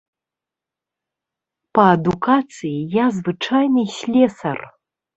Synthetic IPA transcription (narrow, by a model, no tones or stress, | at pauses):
pɐːd̪ukat̪sɨjijazvɨt͡ʂajnɨsʲlʲɛsɐ̰r